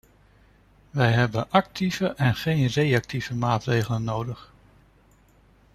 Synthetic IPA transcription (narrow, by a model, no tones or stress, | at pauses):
ʋɛjɦɛbənʔɑk̚tʰiv̥əʔɛnχejnrejɑk̚tivəmaːtrejχələnːowdəχ